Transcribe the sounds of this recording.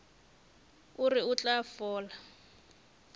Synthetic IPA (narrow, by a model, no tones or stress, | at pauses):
ʊrɪʊt͡ɬʼafɔːla